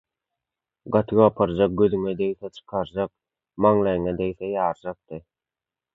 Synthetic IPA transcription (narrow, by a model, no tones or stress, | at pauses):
ɢɑt̪ʰɯɣɑpʰɑɾd͡ʒɑq̚ɡøðyŋed̪ejθet͡ʃʰɯ̥qʰɑɾd͡ʒɑq̚ | mɑŋlˠɑjŋed̪ejθejɑːɾd͡ʒɑq̚t̪ɯ